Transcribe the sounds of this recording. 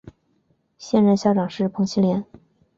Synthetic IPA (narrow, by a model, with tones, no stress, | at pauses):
ɕjɛ˥˧nɻə˥˧nɕjɑ˥ʊʈ͡ʂɑ˨˩ŋʂɻ̩˥˩pʰɤ˧˥ŋt͡ɕʰi˥ljɛ˧˥n